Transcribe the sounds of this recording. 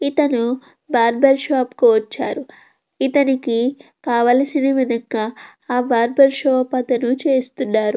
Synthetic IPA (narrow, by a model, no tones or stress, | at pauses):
it̪ɐnu | baːɾbɐɾʃaːpkuʋɐt͡ʃːaːɾu | it̪ɐnikikaːʋaːlɐsinɐʋid̪ʱɐŋɡaː | baːɾbɐɾʃoːpɐt̪ɐnut͡ʃe̞ːst̪unːaːɾu